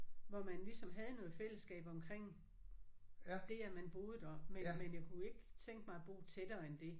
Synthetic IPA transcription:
ʋɒmænlisɒ̽mɦɛð̞ˠənɔ̽ːð̩ˠfel̰əsɡ̥ɛ̰ːb̥ɒ̽mkʰʁeŋ̰ | d̥e̝æmænb̥o̝ːð̞ˠd̥ɒ̽menmenjaɪkʰue̝ɡ̥t͡sʰeŋɡ̥mɑ̈ɪb̥o̝̰ːt͡sʰed̥ɐːend̥e̝

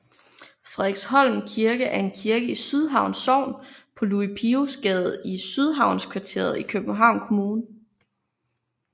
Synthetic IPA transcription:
fʁɛɡ̥shɒ̽l̰mkʰiɐɡ̥əʔæɐe̝nkʰiɐɡ̥əisyð̞ˠɦɑ̈ʊ̰nsɒʊ̰npʰɒ̽luipʰiusɡ̥ɛð̩ˠisyð̞ˠɦɑ̈ʊ̰nskʰʋɑ̈t͡sʰe̝̰ɐðˠikʰøb̥n̩ɦɑ̈ʊ̰nkʰo̝muːnə

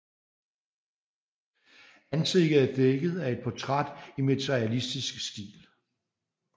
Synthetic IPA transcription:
ænse̝ɡ̥ð̩ˠæd̥eɡ̥ð̞̩ˠæe̝d̥̚pʰɒ̽t͡sʰʁad̥imet͡sʰeiælisd̥isɡ̥sd̥ḭːl

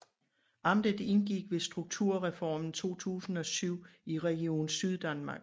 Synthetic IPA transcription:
ʔɑ̈md̥əðˠe̝nɡ̥iɡ̥ʋe̝sd̥ʁuɡ̥̚t͡sʰuɐ̰ʁɛfɒmn̩t͡sʰo̝̰ːt͡sʰṵːsn̩ɒ̽syʊ̰iʁɛɡ̥io̝̰ːn̩syð̞ˠd̥ænmɑ̈ːɡ̥

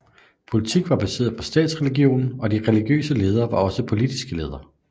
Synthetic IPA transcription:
pʰo̝lit͡sʰiɡ̥ʋɑ̈b̥æse̝̰ːɐðˠpʰɒ̽sd̥ɛ̰ːd̥sʁɛliɡ̥jo̝̰ːnn̩ɒ̽d̥iʁɛliɡ̥jø̰ːsəle̝ːð̞ˠɐːʋɑ̈ɒ̽səpʰo̝lid̥isɡ̥əle̝ːð̞ˠɐ

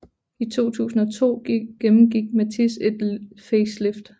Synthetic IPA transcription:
it͡sʰo̝̰ːt͡sʰṵːsn̩ɒt͡sʰo̝̰ːɡ̥emm̩ɡ̥iɡ̥̚mæt͡sʰise̝d̥feslefd̥

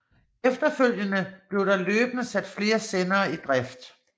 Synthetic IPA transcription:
efd̥ɐføl̰jənəb̥le̝ʊɾ̥ɑ̈løːb̥nəsæd̥fle̝ːɐsenɐːid̥ʁafd̥

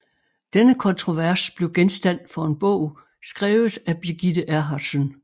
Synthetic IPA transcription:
d̥enəkʰɒ̽nt͡sʰʁo̝ʋæɐsb̥le̝ʊɡ̥ensd̥æn̰̥fɒ̽e̝nb̥ɔ̰ʊ̰ | sɡ̥ʁɛːʊð̩ˠæb̥iɡ̥id̥əʔæɐɦɑ̥̈sən

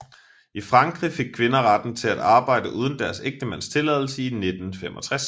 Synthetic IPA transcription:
ifʁɑ̈ŋɡ̥ʁife̝ɡ̥̚kʰʋe̝nɐʁɑd̥n̩t͡sʰe̝læd̥ɑ̈ːb̥ɑ̈ɪ̰d̥əʔuːð̞ˠən̩d̥æɐseɡ̥̚d̥əmæn̰st͡sʰe̝lɛðˠl̩səine̝d̥n̩femɒ̽t͡sʰʁas

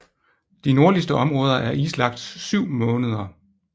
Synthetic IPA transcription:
d̥ino̝ɐlisd̥əʔɒ̽mʁɔ̽ːð̞ˠɐʔæɐʔiːslɑ̈ɡ̥d̥syʊ̰mɔ̽ːnəð̞ˠɐ

